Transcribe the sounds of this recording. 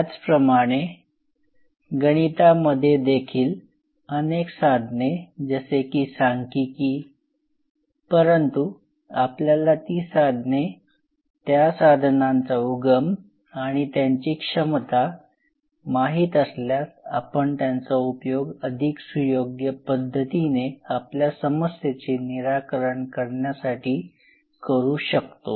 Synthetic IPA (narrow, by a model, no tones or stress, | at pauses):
at͡spɾəmaɽ̃e | ɡəɽ̃it̪aməd̪ʱːjed̪ekʰiːl | əneksad̪ʱned͡zəsekiːsãŋkikiː | pəɾənt̪u | apljalat̪iːsad̪ʱne | t̪jasad̪ʱnant͡sauɡəm | aɽ̃it̪jaɲt͡ɕikʂəmt̪a | maɦiːt̪əsljasapəɳt̪jant͡saupjoɡəd̪ʱiksujoɡjəpəd̪ʱːət̪ineapljasəməset͡ɕeniɾakəɾəɳkəɾɳjasaʈʰiː | kəɾuːɕəkt̪o̰